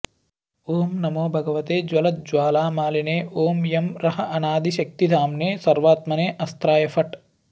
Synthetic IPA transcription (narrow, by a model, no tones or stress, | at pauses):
oːmnɐmoːbʱɐɡɐʋɐt̪eːd͡ʒwɐlɐt̪̚d͡ʒwaːlaːmaːlineːʔoːmjɐmɾɐɦɐʔɐnaːd̪ʱiʃɐk̚t̪id̪ʱaːmneːsɐɾʋaːt̪mɐneːʔɐst̪ɾaːjɐfʰɐʈ